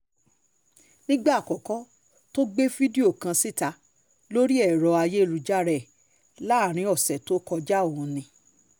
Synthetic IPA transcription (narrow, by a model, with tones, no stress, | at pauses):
nĩ˦ɡ͡ba˦˨kɔ˨kɔ˨˦ | to˦ɡ͡be˦fi˦di˦o˦˨kã˧si˦˨ta˧ | lo˦ɾi˦ɛ˦˨ɾɔ˨˧a˧je˦˨ɾu˧d͡ʒa˦ɾɛ˦˨ | la˦˨ɾ̃ĩ˨˧˦ɔ˨sɛ˨to˦kɔ˧d͡ʒa˦o˦˨ũ˨˧nĩ˧